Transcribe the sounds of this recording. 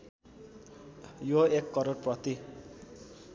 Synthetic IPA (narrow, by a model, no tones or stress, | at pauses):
joekːʌɾoɽprʌt̪i